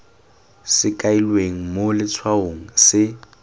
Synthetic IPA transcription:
sɪkʼailweŋ̩molɪt͡sʰwaoŋ̩sɪ

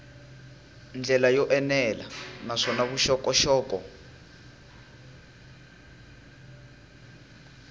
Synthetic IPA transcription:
nd͡ɮʱɛlajɔʔɛnɛla̰naʂɔnaβuʃɔkʼɔʃɔːkɔ

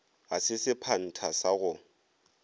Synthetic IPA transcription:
asɪsɪpʰan̩tʰasaɣʊ

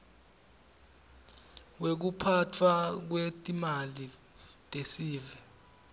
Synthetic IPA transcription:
wek̬upʰatʰwak̬wetʼimali | tʼesiːvɛ

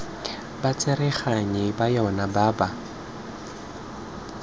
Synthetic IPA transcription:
bat͡sʼɪrɛχaɲɪbajaʊnabaːba

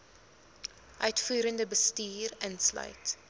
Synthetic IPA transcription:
ʔœɥtfyːɾəndəbəstiːrənslœ̰jt

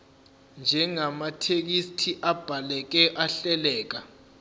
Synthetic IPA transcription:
nd͡ʒʱɛŋamatʰek̬istʰiʔab̥ʱalɛk̬ɛʔaɬɛlɛːk̬a

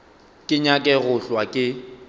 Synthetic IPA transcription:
kʼɪɲakʼɛɣʊɬwakʼɪ

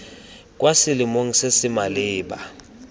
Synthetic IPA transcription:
kʼwasɪlɪmoŋisesɪmalɪːɓa̰

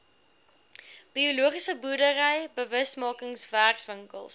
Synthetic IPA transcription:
b̥ioluəχisəburdəɾəjbəvəsmɑːkəŋsværksvəŋkə̰lˠs

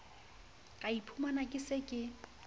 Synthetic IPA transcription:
kʼaipʰumanakʼɪsɪkʼɪ

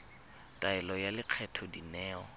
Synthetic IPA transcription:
tʼaɛlɔjalɪq͡χʰɛtʰɔdinɛːɔ̰

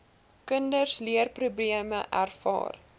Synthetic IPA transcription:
kəndərsliərprubliəməʔæ̰rfɑ̰ːr

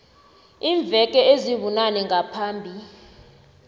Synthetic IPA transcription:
iːɱb̪vʱɛk̬ʼɛeziβunanɛŋɡapʰaːmbʱi

